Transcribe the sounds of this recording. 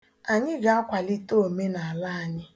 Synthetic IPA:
a˨ɲɪ˦ɡa˨a˦kʷa˨li˦to˦o˨me˦na˨a˨la˦a˨ɲɪ˦

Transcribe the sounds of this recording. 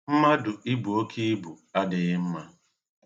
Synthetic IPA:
m̩˦ma˦dʊ˨ʔi˦bu˨o˦kʰi˦i˦bu˨a˦dɪ˨ɣɪ˦m̩˦ma˦

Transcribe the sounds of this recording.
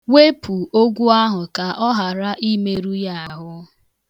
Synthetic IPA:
we˦pʰu˨o˦ɡʷu˦a˦ɦʊ˨ka˨ʔɔ˦ɦa˨ɾa˦ʔi˦me˦ɾu˦ja˦a˨ɦʊ˦

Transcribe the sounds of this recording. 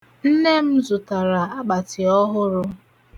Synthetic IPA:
n̩˦ne˦m̩˦zʊ˨ta˨ɾa˨a˦ɡ͡ba˨tɪ˨ɔ˦ɦʊ˦ɾʊ˦

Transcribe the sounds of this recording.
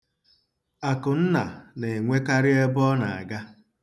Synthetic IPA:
a˨kʊ˨n̩˦na̰˨ne˨ŋʷe˦ka˦ɾɪ˦e˦bɔ˦na̰˨a̰˨ɡa˦

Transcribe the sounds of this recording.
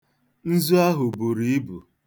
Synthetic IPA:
n̩˦zu˦a˦ɦʊ˨bu˨ɾi˨i˦bṵ˨

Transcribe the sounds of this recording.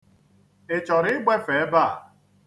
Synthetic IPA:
e˨t͡ʃɔ˨ɾɪ˦ɪ˦ɡ͡be˦fe˨e˦ba˦˨

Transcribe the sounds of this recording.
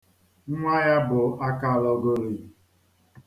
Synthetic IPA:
ŋ̩˦ŋʷa˦ja˦bʊ˨a˦ka˦˨lɔ˦ɡo˦ɾi˨

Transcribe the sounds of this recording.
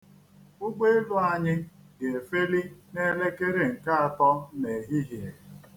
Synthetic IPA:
ʊ˦ɡ͡be˦ɪ˦lʊ˦a˨ɲɪ˦ɡe˨e˨fe˦li˦ne˦le˦ke˦ɾe˨ŋ̩˨ka˦a˨tɔ˦ne˨ɦi˦ɦi˨e˨

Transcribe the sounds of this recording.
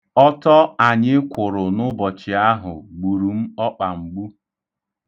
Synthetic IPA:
ɔ˦tɔ˦a˨ɲɪ˦kʷʊ˨ɾʊ˨nʊ˦bɔ˨t͡ʃɪ˨a˦ɦʊ˨ɡ͡bu˨ɾu˨m̩˦ɔ˦k͡pa˨ŋ͡m̩˨ɡ͡bu˦

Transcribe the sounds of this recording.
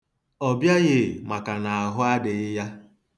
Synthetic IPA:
ɔ˨bja˦ɣɪ˨ma˨ka˨na˨a˨ɦʊ˦a˦dɪ˨ɪ˦ja˦

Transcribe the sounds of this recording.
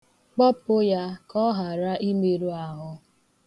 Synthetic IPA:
k͡pɔ˦pʊ˦ja˦kɔ˦ɦa˨ɾa˦ʔi˦me˦ɾu˦a˨ɦʊ˦

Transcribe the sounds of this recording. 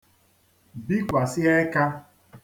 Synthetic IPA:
bi˦kʷa˨sɪ˦e˦ka˦

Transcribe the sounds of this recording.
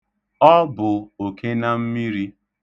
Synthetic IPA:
ɔ˦bʊ˨o˨ke˦na˦m̩˦mi˦ɾi˦

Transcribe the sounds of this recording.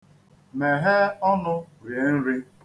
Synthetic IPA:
me˨ɦe˦ɔ˦nʊ˦ɾje˨˦n̩˦ɾi˦

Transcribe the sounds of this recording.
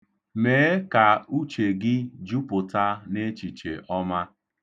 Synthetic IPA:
meː˨˦ka˨u˦t͡ʃe˨ɡɪ˦d͡ʒu˦pʊ˨ta˦ne˦t͡ʃi˨t͡ʃḛ˨ʔɔ˦ma˦

